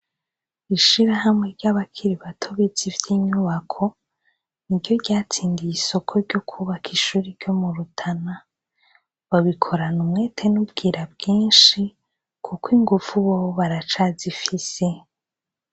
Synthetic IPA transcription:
iʃiɾaɦamŋe̞ɾɟaβakʰiɾiβatʰoβizivjiːɲuβakʰo̞ | niɾɟo̞ɾɟaːt͡siːndijiso̞kʰo̞ɾɟo̞kʰuβakʰiʃuːɾiɾɟo̞muɾutʰana | βaβikʰo̞ɾanumŋe̞ːtʰe̞nub̚ɡiːɾab̚ɡiːnʃi | kʰukwiŋɡuvuβoβaɾat͡ʃazifise̞

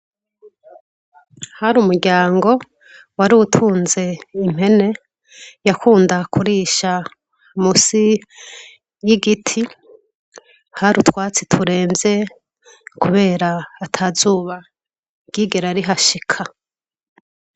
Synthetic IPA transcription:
haɾumuɾɟaːŋɡo̞ | waɾiutʰuːnze̞im̥e̞ne̞ | jakuːndakʰuɾiːʃa | musi | jiɡitʰi | haɾutʰwaːt͡si̥tʰuɾe̞ːmbje̞ | kuβe̞ːɾaːtʰazuːβḁ | ɡ̥iːɡe̞ɾaɾiɦaʃikʰa

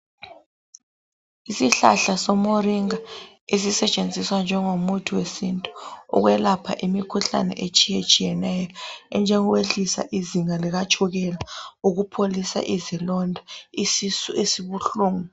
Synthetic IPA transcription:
isiɬa̰ɬasɔmoriŋa | es̬isɛt͡ʃʼend͡zʱiswand͡ʒʱɛŋomutʰiwesintʼu̥̰ːɣwɛlapʰa̰ʔimikʰuɬa̰nɛ̰ʔet͡ʃʼijet͡ʃʼijɛnɛjɔɛ̰nd͡ʒʱɛŋɔweɬisa̰ʔiziŋaliɣat͡ʃʰʼuɣɛlauɣupʰolisa̰ʔizilɔndʱaisisuesiβuɬuːŋu

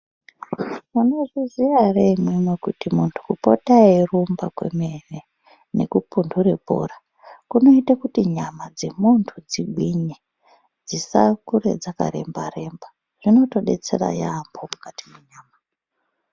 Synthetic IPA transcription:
muno̞ʐiziareimwemwekutimuntʰu̥kupo̞̰tairumbakwe̞̰mere | ne̞̰kupunduɾe̞po̰ra | kuno̞itakutiɲamad͡ze̞muntʰud͡ziɡʱwiɲe | d͡zisakuɾe̞̰d͡zaka̰ɾe̞̰mba̰re̞mba | ʐ̥ino̞to̞ɗe̞̰t͡se̞̰ra̰jambo̞mukatimweɲaːma

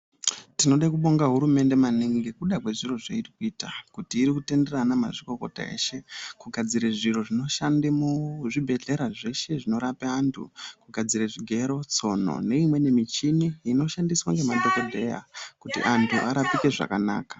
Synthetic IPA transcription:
tino̞ɗakuɓo̞ŋɡaɦuɾume̞nde̞maniŋɡekuɗakwe̞ʐiro̞ʐeitikuitakutiːɾikute̞nde̞ranamaʐiko̞ko̞̰ta̰e̞̰ːʃe̞kuɡʱad͡ziɾeʐiɾo̞ʐino̞ʃandemuʐibʱe̞ɮe̞ɾaʐe̞ʃe̞ʐino̞ɾapeantʰṵkuɡʱad͡ziɾeʐiɡʱe̞ɾo̞t͡so̞no̞̰ne̞imwe̞ne̞mit͡ʃiniino̞ʃandiswa̰ŋɡe̞madʱeko̞dʱe̞ja̰kutḭʔantʰuʔaɾapike̞ʐa̰kana̰ːkḁ

